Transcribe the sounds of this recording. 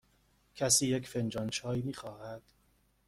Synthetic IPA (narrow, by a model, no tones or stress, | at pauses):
cʲʰæsiːjecfend͡ʒɒːnt͡ʃʰɒːjiːmiːxɒːhæd̪̥